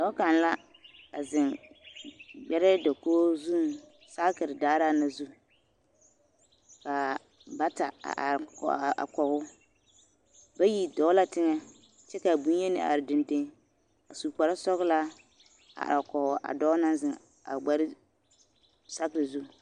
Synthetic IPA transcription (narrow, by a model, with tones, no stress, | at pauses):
dɔ˦ka˨n˨la˦ | a˨zɪ˨ŋ | ɡ͡bɛ˦ɾɪ˦dɔ˨koː˦zu˦˨˦ | sa˦kɪ˨ɾɪ˨daː˦ɾa˦na˦zu˦ | ka˨ | ba˦ta̰˨ka̰˨kɔ˨ɣʊ˦ | ba˦ji˦dɔ˨˦la˦tɪ˦ŋa˦ | t͡ʃɛ˦ka˨bu˦n˦ɛ˦nɪ̰˨ʔa̰˨ɾɪ˨dɪ˨ndɪ˦ŋ | a˨su˨pa˨ɾa˦sɔ˦ɣla˦ | a̰˨a˨kɔ˨ɣʊ˨ʔa̰˨dɔ˦na˦nzɪ˨ŋ | a̰˨ɡ͡ba˨ɾɪ˦ | sa˦kɪ˨ɾɪ˨zu˦˨